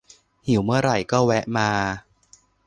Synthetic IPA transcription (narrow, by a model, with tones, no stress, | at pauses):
hi˨˩˦wmɯ˥˩ɐɾa˨˩jkɔː˥˩wɛ˦˥ʔmaː˧